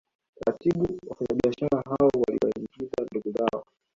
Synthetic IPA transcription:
ɾatiɓuwafaɲaɓiaʃaɾaɦaɔwalḭwa̰imɡitanduɡuzaɔ

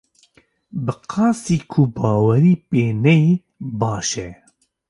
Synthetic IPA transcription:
bɨqʰɑːsiːkʰubɑːwɛɾiːpeːnɛi | bɑːʃɛ

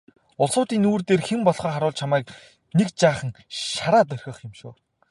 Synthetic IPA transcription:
ʊɮsʊːt̪iːnuːrt̪eːrxempɔɮχœːχaɾʊːɮt͡ɕʰamæːk̚ | nekt͡ɕaːχə̆ŋ | ʃaɾaːt̪̬œr̥ʲxʲə̆χɪmʃoː

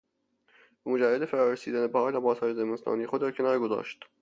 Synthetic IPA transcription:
mod͡ʒæɾed̪efæɾɒːɾesiːd̪ænebæɒːjlæbɒːshɒːjezemest̪ʰɒ̰ːniːexod̪̚d̪æɾcʰe̞nɒːɾɡozɒ̰ːʃt̪

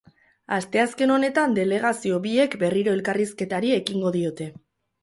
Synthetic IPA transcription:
ast̪e̞aske̞no̞ne̞t̪and̪e̞le̞ɣ̞asio̞βie̞kbe̞riɾo̞e̞lkariske̞t̪aɾie̞kiŋɡo̞ðio̞t̪e̞

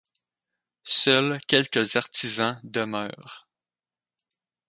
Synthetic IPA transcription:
sœlkʲɛlkʲəzaʁt̪izɑ̃d̪əmœ̰ːʁ

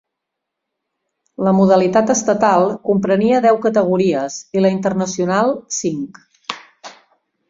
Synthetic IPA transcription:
ləmuðəlit̪at̪əst̪ət̪alˠkumpɾəniəðɛwkət̪əɣ̞uɾiəziləint̪ərnəsiunalˠsiŋk

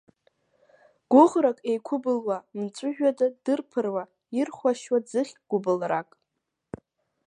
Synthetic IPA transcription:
ɡ̥ʷʊʁɾakʼejkʷʰʊbɨlwamt͡sʷʼʊʒᶣadadɨrpʰɨrwa | irχʷwaʃwad͡zɨχʲɡ̥ʷʊbɨlrakʼ

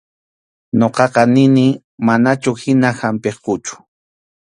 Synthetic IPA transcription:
ɲoqɑqɑnɪnɪ | manat͡ʃʊhɪnahampeχqʊt͡ʃʊ̥

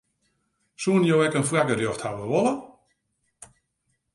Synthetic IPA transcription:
suənjoːɛkənflɛɡərjoxthawəʋɔlˠə

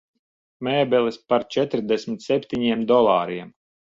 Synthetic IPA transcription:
mɛːbɛlˠispaɾt͡ʃɛt̪ɾd̪ɛsmit̪sɛpʲt̪iɲiɛmd̪ɔlˠaːɾiɛm

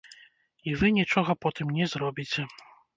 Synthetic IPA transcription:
ivɨnʲit͡ʂɔɣɐpɔt̪ɨmnʲɛzrɔbʲit͡sʲɛ

